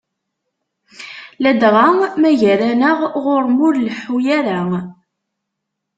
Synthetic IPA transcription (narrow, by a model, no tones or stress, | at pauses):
læd̪ʁamæʝæɾænəʁʁʊɾmʊɾlħujæɾa